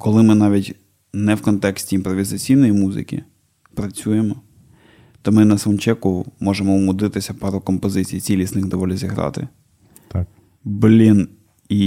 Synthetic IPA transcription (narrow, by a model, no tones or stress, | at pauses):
kɔlˠɪmɪnɑʋʲitʲ | nɛwkɔnt̪ɛksʲtʲiːnpɾɔʋʲizɐt͡sʲijnɔjimuzɪ̰kʲḭ | pɾɐt͡sʲuje̞mɔ | t̪ɔmɪnɐsɐnt͡ʃɛkʊmɔʒemɔumʊd̪ɪt̪ɪsʲɐpɑɾʊkɔmpɔzɪt͡sʲijt͡sʲilʲisnɪɣd̪ɔʋɔlʲizʲiɦɾɑ̰t̪ɪ̰ | blʲin | i